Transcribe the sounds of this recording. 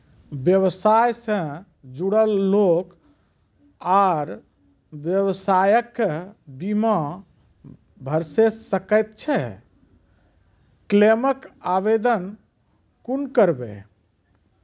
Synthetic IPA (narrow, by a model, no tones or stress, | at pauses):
bjəwsajsə̃ | d͡ʒuɽəlːok | aɾ | bjəwsajəkːbima | bʱəɾsessəkət̪t͡ʃʰɛ | kleməkabed̪ən | kunkəɾbḛ